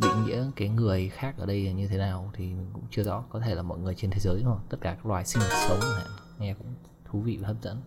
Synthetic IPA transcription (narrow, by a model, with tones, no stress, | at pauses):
ɗḭ˧˨ŋḭ˧˥əkaː˨˦jŋɨ˨˩əjxaː˦˥k̚ʔəː˧˩ɗə˧jɲɨ˧t̪ʰe˨˦naː˨˩wt̪ʰi˨˩mï˨˩ŋ̟kʊ̰˧˥ŋ͡mt͡ɕɨ˧əzɔ̰˧˥kɔ˨˦t̪ʰe˧˩laː˨˩mɔ̰˧˨jŋɨ˨˩əjt͡ɕe˧nt̪ʰe˨˦zəː˨˦jɗt̪ə˦˥t̚kaː˧˩kaː˦˥klwaː˨˩jsï˧ŋma˨˩t̚sə˨˦wŋ͡mha̰ː˧˨ | ŋɛ˧kʊ̰˧˥ŋ͡m | t̪ʰu˨˦vḭ˧˨vaː˨˩ə˦˥p̚zə̰˧˥n